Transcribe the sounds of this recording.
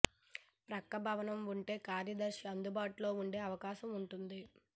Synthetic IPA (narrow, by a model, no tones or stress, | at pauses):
pɾɐkːɐbʱɐʋɐnɐmuɳʈe̞ːkaːɾjɐd̪ɐɾʃɐnd̪ubaːʈulo̞ːuɳɖe̞ːɐʋɐkaːʃɐmuɳʈund̪i